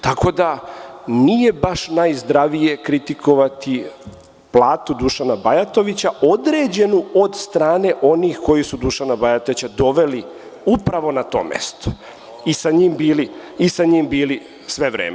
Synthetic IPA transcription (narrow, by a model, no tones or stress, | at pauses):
t̪ako̞d̪anije̞baʃnajzd̪ɾaʋije̞kɾit̪ikʰo̞ʋat̪i | plˠaːt̪ud̪uʃanabajat̪o̞ʋit͡ɕaʔo̞d̪ɾe̞ːd͡ʑe̞nuo̞d̪st̪ɾaːne̞ʔo̞niːxko̞jisud̪uʃanabajat̪oʋit͡ɕad̪o̞ʋe̞li | upɾaʋo̞nat̪o̞̰ːmḛst̪o̥ | isaɲiːmbiːliːsaɲiːmbiːli | sʋe̞ʋɾḛːme